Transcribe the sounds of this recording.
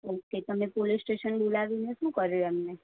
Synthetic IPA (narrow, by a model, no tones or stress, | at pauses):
oket̪əmepolisʈeʃənbolaʋineʃũkəɾjoɛmne